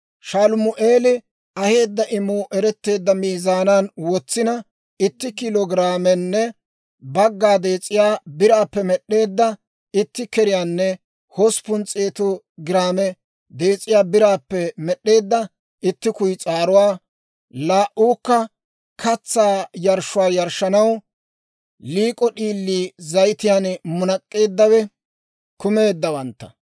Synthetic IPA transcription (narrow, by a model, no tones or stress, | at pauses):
ʃaːlʊmʊʔeːlɪ | ɐhe̞ːd̪ːɐʔɪmːʊʔɛɾɛt̪ːe̞ːd̪ːɐmiːzaːnanwɔt͡sːɪnɐ | ɪt̪ːɪkɪlɔɡɪɾaːmɛnːɛ | bɐɡːaːd̪e̞ːt͡sʼːɪjaːbɪɾaːpːɛmɛɗːe̞ːd̪ːɐ | ɪt̪ːɪkɛɾɪjaːnːɛ | hɔspʊnt͡sʼeːt̪ɔ | ɡɾaːmɛ | d̪e̞ːt͡sʼːɪjaːbɪɾaːpːɛmɛɗe̞ːd̪ːɐ | ɪt̪ːɪkʊjt͡sʼaːɾʊwaː | laːʔuːkːɐ | kʰɐt͡sːaːjɐɾʃʊwaːjɐɾʃːɐnɐw | liːkʼɔɗiːlːiːzɐjt̪ɪjaːnmʊnɐkʼːe̞ːd̪ːɐwɛ | kʊme̞ːd̪ːɐwɐnt̪ːɐ